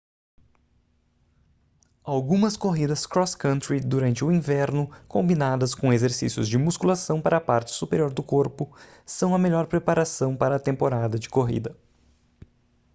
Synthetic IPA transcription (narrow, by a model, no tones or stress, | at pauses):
awɡũmɐskoɦid̪ɐskɾɔskɐ̃nt̪ɾid̪uɾɐ̃nt͡ʃɪʊĩvɛɾnʊkõmbinad̪ɐskõezeɾsḭsjʊ̰zd͡ʒɪmuskulasɐ̃w̃paɾɐpaɾt͡ʃɪ̥supeɾioɾd̪ʊkoɾpʊ | sɐ̃w̃ɐmeʎɔɾpɾepaɾasɐ̃w̃paɾɐːt̪ẽmpoɾad̪ɐd͡ʒɪkoɦḭd̪ɐ